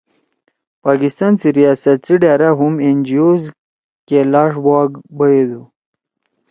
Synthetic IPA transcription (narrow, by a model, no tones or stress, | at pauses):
pɑkɪst̪ɑnsiɾijɑsat̪siɖaɾaɦʊmend͡ʒijoz | kelɑʂbɑːɡbəjed̪u